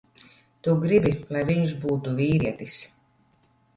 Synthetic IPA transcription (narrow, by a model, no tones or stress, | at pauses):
t̪uɡɾibʲilˠajviɲuz̬buːt̪uvʲiːɾiɛt̪is